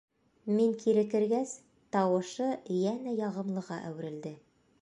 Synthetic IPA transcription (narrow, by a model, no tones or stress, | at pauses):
miŋkʰiɾɘ̆kɘ̆ɾɡæs | t̪ɑwɤ̆ʃɤjænæjɑʁɤ̆mlˠɤ̆ʁɑʔæ̰wɘ̆ɾɘ̆ld̪ɘ